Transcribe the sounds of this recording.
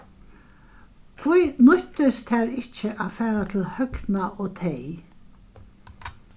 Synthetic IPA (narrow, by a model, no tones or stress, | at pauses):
kʰvujnʊht̪ɪst̪ʰæːɹɪht͡ʃəʔafæːɾat̪ʰɪlhœknaʔoːt̪ʰej